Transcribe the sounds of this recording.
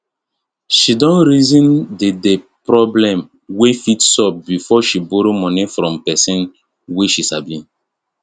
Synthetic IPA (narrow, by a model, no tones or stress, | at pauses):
ʃidɔ̃nɹizĩndedepɾɔblɛ̃m | wefitsɔp̚bifɔʃiboɾomɔ̃nefɾɔ̃mpɛsĩn | weʃisabĩn